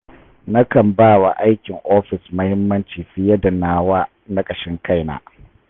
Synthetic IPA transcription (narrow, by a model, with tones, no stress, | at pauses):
na˦kɐ˨mbaː˦˨wa˨ʔa˦jkʲɪ˨ŋʔoː˦ɸɪ˨smɐ˦hɪ˦mːɐ˦nt͡ʃiː˨ɸɪ˦jɐ˦dɐ˨naː˨waː˦ | na˦kʼɐ˨ʃɪ˦ŋka˦˨jna̰ː˦